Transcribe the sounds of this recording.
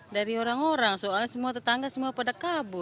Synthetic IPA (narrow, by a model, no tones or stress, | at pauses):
daɾiɔɾaŋɔɾaŋsɔasɛmuat̪at̪aŋɡasəmuapadakabu